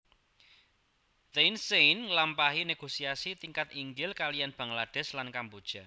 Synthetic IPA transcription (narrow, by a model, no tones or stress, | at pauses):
d̪ensejnlampaɦineɡ̥osiasit̪iŋkat̪iŋɡɪlkalijanb̥a̤ŋlaɖ̥ɛ̤slankambud̥ʒ̥a̤